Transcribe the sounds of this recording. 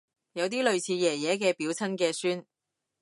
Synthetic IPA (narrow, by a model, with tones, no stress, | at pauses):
jɐ˨˧wt̪iː˥lɵ˨ɥt͡sʰiː˨˧jɛː˨˩jɛː˨˥k̬ɛː˧piː˨˥wt͡sʰɐ˥nkɛː˧syː˥n